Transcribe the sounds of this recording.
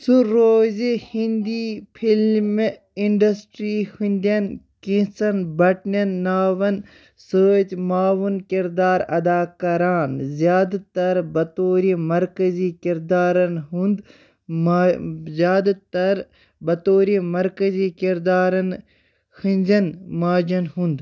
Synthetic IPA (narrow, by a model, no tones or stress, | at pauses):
suɾoːzihĩnd̪iːpʰilm | iɳɖɐsʈɾiːhunʲd̪iɐn | kĩnsɐnbɐʈnɐnːaːʋɐn | səːt͡ʃmaːʋunkiɾd̪aːɾɐd̪aːkɐɾaːnzjaːd̪t̪ɐɾbɐt̪oːɾimɐɾkɐziːkiɾd̪aːɾɐnɦũnd̪ | mzjaːd̪t̪ɐɾ | bɐt̪oːɾimɐɾkɐzikiɾd̪aːɾɐn | hinʲd͡ʒɐnmaːd͡ʒɐnɦũnd̪